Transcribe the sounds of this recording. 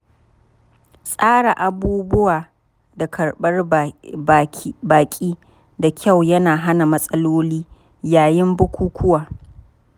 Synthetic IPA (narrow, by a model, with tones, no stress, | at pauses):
sʼaː˦ɽa˨ʔa˨buː˦bʊ˦waː˨ | da˨kɐ˨ɽɓɐ˦r | baː˨kʲʼiː˦ | da˨kʲʰa˦˨wjɐ˦naː˨ɦa˦na˨mɐ˦sʼɐ˦loː˦liː˦ | jaː˨jɪ˦mbʊ˦kʷʰuː˦kʷʰʊ˦waː˨